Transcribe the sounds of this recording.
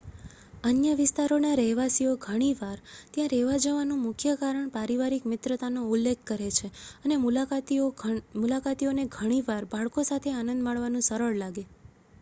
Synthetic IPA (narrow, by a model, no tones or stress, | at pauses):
ənjəʋɪst̪aɾonaɾəɦʋasioɡʱəɽ̃iʋaɾt̪jãɾɛʋad͡ʒəʋanũmʊkʰjəkaɾəɳpaɾiʋaɾikmɪt̪ɾət̪anoulːek̚ʰkəɾet͡ʃʰeənemulaat̪iomulakat̪ioneɡʱəɽ̃iʋaɾbʱaɭkosat̪ʰeanə̃nd̪maɭʋanũsəɾəɭlaɡe